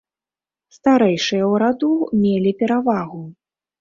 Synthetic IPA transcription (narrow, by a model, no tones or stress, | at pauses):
st̪aɾɛjʂɨjɐwɾad̪umʲelʲipʲɛɾavaɣu